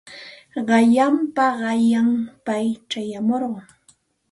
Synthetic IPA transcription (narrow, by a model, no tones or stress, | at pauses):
ɢɑʎampaɢɑjampajt͡ʃajamoɾɢɑŋ